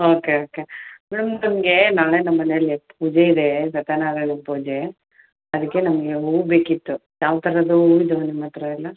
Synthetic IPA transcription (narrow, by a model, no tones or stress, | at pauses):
oːkeoːkemɛɽumnɐmɐɡe̞naːɭenɐmːɐneɐlːip̚uːd͡ʒeid̪esɐt̪ɐnaːɾɐɳipuːd͡ʒe | ɐd̪ikːe̞nɐmɐɡe̞ɦuːɡube̞ːkit̪ːujaːʋt̪ʰɐɾɐd̪uuːid̪unimɐt̪ɾɐɐlːɐ